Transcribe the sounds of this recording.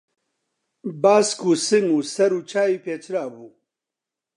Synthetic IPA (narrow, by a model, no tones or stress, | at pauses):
baːskuːsɨŋuːsɛɾuːt͡ʃʰaːjiːpʰeːt͡ʃʰɾaːbuː